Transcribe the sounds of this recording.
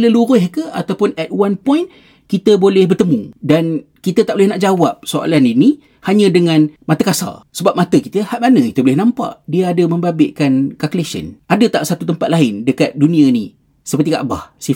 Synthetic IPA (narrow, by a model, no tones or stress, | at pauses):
ləluɾʊhkəat̪awpʊnɛt̪̚wanpɔjn | kit̪əbolɛhbərt̪əmũdan | kit̪ət̪aʔbolɪhnaʔd͡ʒawap̚soa̰lanini | haɲə̃dəŋãnmat̪əkasa̰səbap̚mãt̪əkit̪əhaʔmanə̃ki̥t̪əbolɪhnãmpa̰ʔdiaadəmə̃mbabɪʔkankakulesə̰nʔadət̪aʔsat̪ut̪əmpat̪̚laɪndəkat̪̚dunĩani | səpərt̪ika̰ʔbahsi